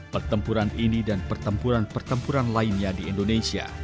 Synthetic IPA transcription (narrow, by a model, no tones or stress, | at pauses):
pərt̪əmpuɾaninidanpərt̪əmpuɾanpərt̪əmpuɾanlainɲadiindonesia̰